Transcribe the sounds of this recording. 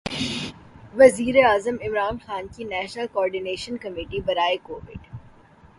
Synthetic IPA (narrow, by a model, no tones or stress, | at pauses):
ʋɐziːɾeaːzəmɪmɾaːnxaːnkinɛːʃnəlkɔːɾɖɪneːʃənkɐmiːʈibɐɾaːekoːʋɪ̰ɖ